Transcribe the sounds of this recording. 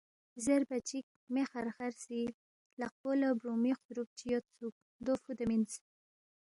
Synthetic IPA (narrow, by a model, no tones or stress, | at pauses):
zeɾbat͡ʃik̚mexaɾxaɾsi | laq̚polabɾomixd̪ɾup̚t͡ʃijot̪t͡suk̚ | d̪ofud̪amint͡s